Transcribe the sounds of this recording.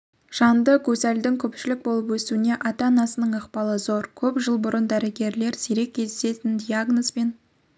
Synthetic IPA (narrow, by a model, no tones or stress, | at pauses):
ʒ̥ɑnd̪əkʲʰɵsæld̪ɪŋkʲʰɵpʃɪlɪk̚bo̞lˠəpwɵsuɪne̞ʔɑt̪ɑnɑsənəɴəqpɑlˠəzoɾkʲʰɵpʒəlˠbʊɾənd̪æɾɪɡʲe̞ɾle̞ɾsiɾe̞k̚ʲʰːe̞zd̪ese̞t̪ɪnd̪ʲijaɡnospe̞n